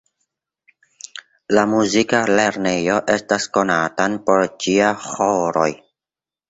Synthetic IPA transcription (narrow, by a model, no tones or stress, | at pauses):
lamuzikale̞ɾnejo̞ʔe̞stasko̞natanpo̞ɾt͡ʃiahoɾo̞̰j